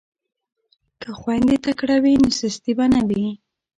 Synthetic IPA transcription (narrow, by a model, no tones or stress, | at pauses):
kaxwand̪et̪akɽawinosɪst̪ibanabi